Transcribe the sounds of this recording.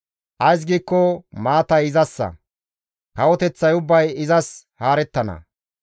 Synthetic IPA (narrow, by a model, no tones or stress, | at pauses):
ʔɐjs̬ɡiːkːɔmaːt̪ɐjɪzɐsːɐ̰ | kɐwɔt̪ɛt͡sːɐjʊbːɐjɪzɐshaːɾɛt̪ːɐnɐ̰